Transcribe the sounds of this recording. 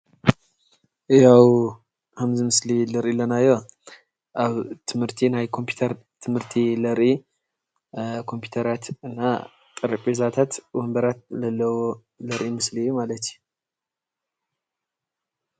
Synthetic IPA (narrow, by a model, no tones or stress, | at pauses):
jaw | hamzimɨslilɐɾʔilɐnajo | ʔaβt̪ʰɨmhɨɾt̪ʰinajkʰompʰu̥t̪ʰəɾ | t̪ʰɨmhɨɾt̪ʰilɐɾʔi | kʰo̞mpʰju̥t̪ʰəɾat̪ɨnːa̰ | t̪ʼɨɾəpʼezat̪ʰat̪wɔmbəɾat̪̚lɐlːəwo | lɐɾʔimɨslijumalət̪ʰju